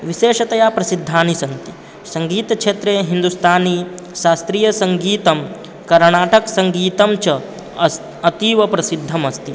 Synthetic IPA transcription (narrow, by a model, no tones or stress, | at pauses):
ʋiʃeːʃɐt̪ɐjaːpɾɐsid̪ʱːaːnisɐnt̪i̥ | sɐŋɡiːt̪ɐkʃeːt̪ɾeːɦind̪ust̪ʰaːni | ʃaːst̪ɾiːjɐsɐŋɡiːt̪ɐm | kɐɾɳaːʈɐksɐŋɡiːt̪ɐmt͡ʃɐ | ɐt̪iːʋɐpɾɐsid̪ʱːɐmɐst̪i